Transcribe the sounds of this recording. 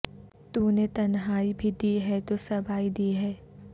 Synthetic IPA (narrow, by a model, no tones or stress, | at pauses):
t̪uːnet̪ɐnɦaːibʱid̪iɦɛt̪osɐbʱaːid̪iːɦɛː